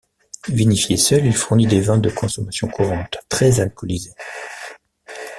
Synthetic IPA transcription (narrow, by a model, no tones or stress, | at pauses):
vinifjesœlilfuʁnid̪evɛ̃d̪əkʰɔ̃sɔmasjɔ̃kʰuʁɑ̃t̪ːχɛzalkɔlize